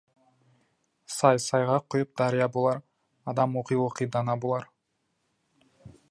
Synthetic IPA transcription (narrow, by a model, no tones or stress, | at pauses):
sɑjsɑjʁɑqʰːojup̚d̪ɑɾijɑbolˠɑɾ | ɑd̪ɑmoqijoqijd̪ɑnɑbolˠɑɾ